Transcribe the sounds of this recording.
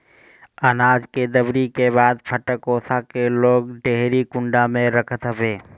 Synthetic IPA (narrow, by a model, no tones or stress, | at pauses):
ənaːd͡ʒked̪əbɾikebaːd̪pʰəʈəkoːsakeloːɡɖeɦɾikʊ̃ɳɖamẽɾəkʰət̪ɦəʋeː